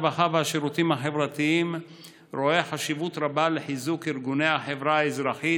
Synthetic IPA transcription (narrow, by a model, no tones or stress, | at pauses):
baχavehaʃeɾut̪imhaħe̞vɾat̪iim | ɾo̞eħaʃivut̪ɾabaleħizukiɾɡunejhaħevɾaezɾaħi